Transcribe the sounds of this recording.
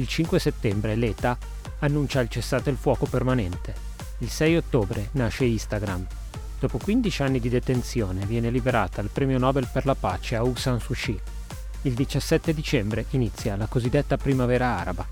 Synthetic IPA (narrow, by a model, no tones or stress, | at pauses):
ilt͡ʃiŋkweset̪ːɛmbɾelet̪aː | nːunt͡ʃailt͡ʃesːaːt̪ilfwɔːkopermanɛnt̪ʰe | ilsɛjot̪ːoːbɾʔenaʃeist̪aɡɾam | d̪̥ɔːpokwind̪it͡ʃanːid̪id̪et̪ent̪sjoːnevjɛːnelibeɾaːt̪aːlpɾɛːmjonɔːbelperlapa̰ːt͡ʃeauksansut͡ʃi | ild̪it͡ʃasːɛt̪ːed̪it͡ʃɛmbɾeʔinit̪sːjalakozid̪ːet̪ːapɾimavɛːɾaaːɾaba